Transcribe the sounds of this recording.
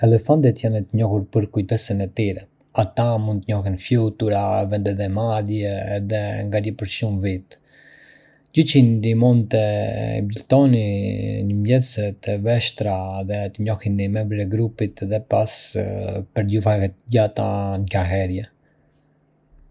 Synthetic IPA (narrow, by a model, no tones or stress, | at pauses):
ɛlɛfand̪ɛt̪janɛt̪əɲɔhuɾpəɾkujt̪ɛsənɛt̪iɾɛ | at̪amũnd̪t̪əɲɔxinfjut̪uɾavɛnd̪ɛðɛmaðjɛːðɛŋɡaɾjɛpəɾʃumvit̪ | d͡ʑət͡ʃind̪imunt̪ə̰bilt̪ɔniɲəmbjɛsɛt̪ɛvɛʃt̪ɾaðɛt̪əɲɔhinimɛmbɾiɛɡɾupit̪ɛðɛpas | pəɾdufahɛt̪ɟat̪ankaɦɛɾjɛ